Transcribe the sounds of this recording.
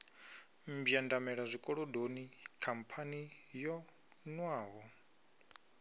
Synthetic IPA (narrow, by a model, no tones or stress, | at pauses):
mbjandamɛɺazʷikʼɔɺɔdonikʰampʰanijɔ | nwaːɦɔ